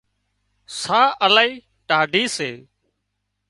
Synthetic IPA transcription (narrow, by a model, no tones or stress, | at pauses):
saːʔəlaːiː | ʈaːɖʱiːseː